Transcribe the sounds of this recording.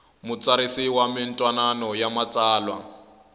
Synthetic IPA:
mʊt͡saɾisiwamɪntʼwananɔjamat͡sʼaːlwa̰

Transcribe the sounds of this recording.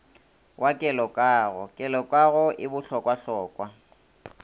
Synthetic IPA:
wʔakʼɛlɔkʼaːɣɔkʼɛlɔkʼaɣʊʔɪbʊɬɔkʼwaɬɔːkʼwa

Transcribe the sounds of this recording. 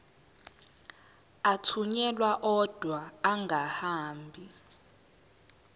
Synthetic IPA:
atʰuɲɛlwaʔɔd̥ʱwaːŋɡʱahaːmbʱi

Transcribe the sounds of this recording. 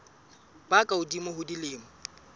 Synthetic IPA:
pʼakʼaʊdimʊɦʊdilɪːmʊ

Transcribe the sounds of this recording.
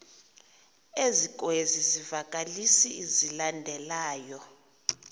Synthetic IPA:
ezikʼwezizivakʼalisiːzilandʱɛlaːjɔ

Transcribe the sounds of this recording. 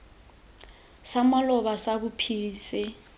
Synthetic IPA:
samalɔβasaβupʰiiːsɛ

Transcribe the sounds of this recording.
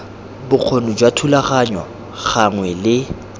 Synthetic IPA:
bʊk͡xʰonʊd͡ʒwatʰulaχaɲwa | ɣaŋwɛlɪ

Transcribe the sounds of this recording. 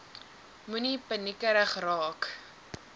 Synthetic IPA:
munipənikəɾəχrɑːk

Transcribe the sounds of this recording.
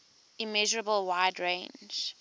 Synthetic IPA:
imɛʒəɹəbəlˠwaɪdɹẽɪ̃nd͡ʒ

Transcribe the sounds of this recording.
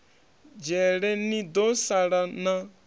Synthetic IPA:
d͡ʒɛɽɛnĩd̪osaɽanã

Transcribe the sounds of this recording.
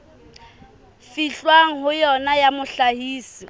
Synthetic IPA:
fiɬwaŋ̩ɦʊjɔnajamʊɬahiːsi

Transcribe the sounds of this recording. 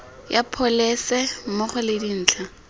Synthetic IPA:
japʰɔlɛsɛmʊχʊlɪdin̩ːt͡ɬʰa

